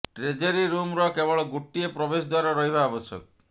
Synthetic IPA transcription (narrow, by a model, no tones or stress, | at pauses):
ʈɾed͡ʒeɾiɾumɾɔkebɔɭɔɡuʈːiepɾɔbesɔd̪waɾɔɾɔɦibʱaːbɔsjɔ̰kɔ